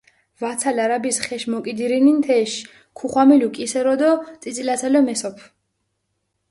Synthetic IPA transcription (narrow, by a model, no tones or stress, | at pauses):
vat̪sʰalaɾabisχɛʃmɔkʼid̪iɾinint̪ʰɛʃ | kʰuχwamilukʼisɛɾɔd̪ɔt̪sʼit̪sʼilat̪sʰalɛmɛsɔpʰ